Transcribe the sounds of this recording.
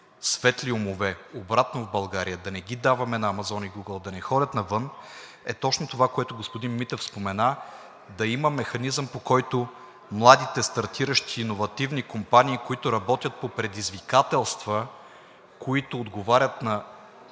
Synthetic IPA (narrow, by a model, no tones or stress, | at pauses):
svɛt̪liomovɛobɾat̪novbɐlˠɡaɾijəd̪ɐnɛɡʲid̪avɐmɛnɐːmɐzɔniɡuɡəlˠd̪ɐnɛxɔdʲət̪nɐvɤn | ɛ̰t̪ɔt͡ʃnot̪ovakoɛt̪ʊɡospod̪inmit̪ɛfspomɛna | d̪ɐiməmɛxɐnizəmpokɔjt̪ʊ | mlˠad̪it̪ɛst̪ɐɾt̪iɾəʃt̪iːnovɐt̪ivnikompaniːkoit̪ʊɾɐbɔt̪ʲjət̪̚popɾɛd̪izvikat̪ɛlˠst̪və | koit̪ʊːd̪ɡovaɾʲət̪nɐ